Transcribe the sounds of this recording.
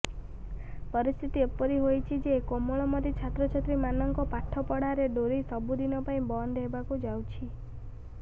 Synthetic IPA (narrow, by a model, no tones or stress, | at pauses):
pɔɾist̪ʰit̪iepɔɾiɦojt͡ʃʰid͡ʒekɔmɔɭ̃ɔmɔt̪it͡ʃʰat̪ɾɔt͡ʃʰɔt̪ɾimanɔŋkɔpaʈʰɔpɔɽaɾeɖoɾisɔbud̪inɔpaĩbɔnd̪ʱɦebakud͡ʒawt͡ʃʰi